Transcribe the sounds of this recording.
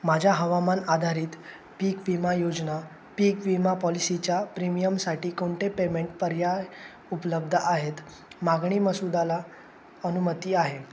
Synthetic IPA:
mad͡ʑʱaɦəʋamanad̪ʱaɾiːt̪ | piːkʋimajod͡zna | piːkʋimapɔlisit͡ɕjapɾimijəmsaʈiːkoɳʈʰepemeɳʈ̚pəɾja | upləb̚d̪ʱəʔaɦet̪ | maɡɳiːməsud̪ala | ənumət̪iːaɦe

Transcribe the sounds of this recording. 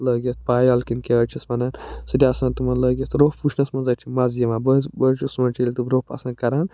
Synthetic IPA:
ləːɡʲɐst̪̚paːjɐlkinkeɐt͡ʃʰismɐnansɨd̪ʲiaːsãːnt̪umɐlɐːɡʲɐst̪ɾoːpput͡ʃʰnɐsmɐnzɐt͡ʃʰimɐzjɐmabɐbət͡ʃʰusmɐ̃nt͡ʃʰilʲt̪uɾopɐ̰sãːkɐɾaːn

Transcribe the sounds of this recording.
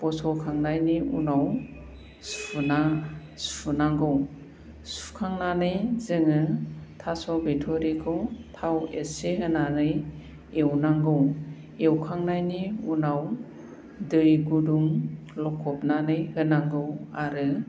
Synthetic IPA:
pɔsɔkʰaŋnajniṵnaw | sʰuna | sunaŋɡɯw | su̥kʰaŋnanɯjzɯŋɯtʰasɔbetʰɔɾikʰɯwtʰaweseɦɯnanɯj | ewnaŋɡɯw | ewkʰaŋnajniunaw | dɯjɡuduŋ | lɔkʰɔpnanɯjhɯnaŋɡɯwaɾɯ

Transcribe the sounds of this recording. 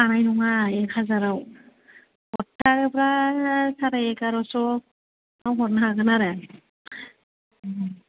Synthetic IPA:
anajnɔŋaekʰazaɾaw | ɔtːaɾɯpɾasʰaɾajekaɾɔsɔ | awɦɔɾnaɦaɡɯnaɾe

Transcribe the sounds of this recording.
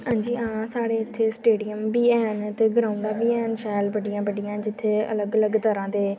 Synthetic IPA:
hãːɲd͡ʒiːãːsaːɽeːɪt̪ʰːeːsʈeːɖiəmbiːɛːnt̪eːɡɾãːʊɳɖaːbiːɛːnʃɛːlbəɖijãːbəɖɪjãːd͡ʒɪt̪ʰːeːə̰ləɡələɡt̪əɾãːd̪eː

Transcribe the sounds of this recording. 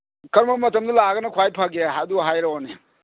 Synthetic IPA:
kɐɾmɐmɐtɐmdulaɡɐnɐkʰwajpʰaɡeaduɦajɾaone

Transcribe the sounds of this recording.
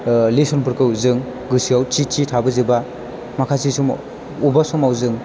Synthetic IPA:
lesɔnpʰɯɾkɯwzɯŋ | ɡɯsiawt͡ʃit͡ʃitʰabɯziba | makʰasisum | ubasɔmawzɯŋ

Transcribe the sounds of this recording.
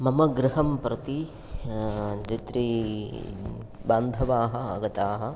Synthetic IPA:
mɐmɐɡɾɪɦɐmpɾɐt̪i | d͡ʒit̪ɾi | baːnd̪ʱɐʋaːɦɐ̆ɐɡɐt̪aːɦɐ̆

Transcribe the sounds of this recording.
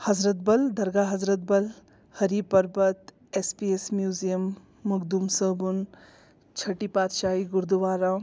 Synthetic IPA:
hɐzɾət̪̚bɐld̪ʱɐɾɡaɦɐzɾət̪̚bɐl | həɾipəɾbət̪ | espiesmjuzijəmː | uɡd̪umsəbun | t͡ʃʰɐʈipat̪ʃaːɦiɡuɾd̪uʋaːɾa

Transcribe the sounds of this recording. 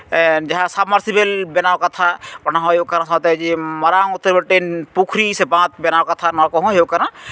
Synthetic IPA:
d͡ʒaɦãsabmaɾsibelbɛnawkat̪ʰabɔnaɦɔ̃ɦeokaɾãsãt̪ɛd͡ʒimɔɾaŋut̪ːəɾbeʈenpukʰɾisɛbãt̪̚bɛnawkat̪ʰanɔkɔɦɔ̃ɦeokaɾã

